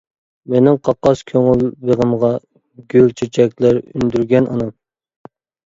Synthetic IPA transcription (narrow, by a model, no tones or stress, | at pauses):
menɪŋqʰɑqːɑskʲʰøŋylbeʁəmʁɑ | ɡʲylt͡ʃʰet͡ʃʰɛk̚ʲlæɾynd̪yɾɡʲɛnɑnɑm